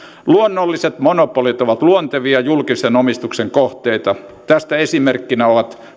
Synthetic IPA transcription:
luonːolːiset̪monopolit̪oʋɑt̪luont̪eʋiɑjulkisenomist̪ukseŋkoht̪eit̪ɑt̪æst̪æesimerkːinæoʋɑt̪

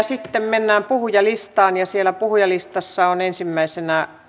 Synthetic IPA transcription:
sit̪ːemmenːæːmpuhujɑlist̪ɑːnjɑsielæpuhujɑlist̪ɑsːɑonensimːæisenæ

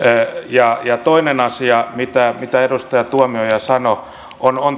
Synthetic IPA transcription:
jɑjɑt̪oinenɑsiɑmit̪æmit̪æerust̪ɑjɑt̪uɑmiojɑsɑno | ʔonon

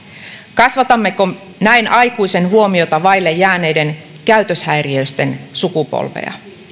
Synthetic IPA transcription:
kɑsʋɑt̪ɑmːe̞ko | næjnʔɑjkujse̞nɦuo̞mio̞t̪ɑʋɑjlːejːæːne̞jde̞n | kæyt̪ø̞shæjriøjst̪e̞nsukupo̰lʋḛjɑ̰

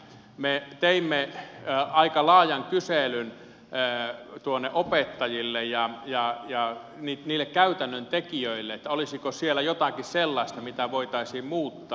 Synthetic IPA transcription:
met̪eimːe | ɑikɑlɑːjɑŋkyselynː | t̪uonːeʔopet̪ːɑjilːejjɑjɑjɑ | niːt̪niːlːekkæyt̪ænːønt̪ekiøilːeet̪ːæolisikosielæjot̪ɑkisselːɑist̪ɑmit̪æʋoit̪ɑisiːmmuːt̪ːɑː

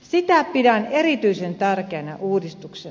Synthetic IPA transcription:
sit̪æpidænerit̪yisent̪ærkeːnɑʔuːdist̪ukse

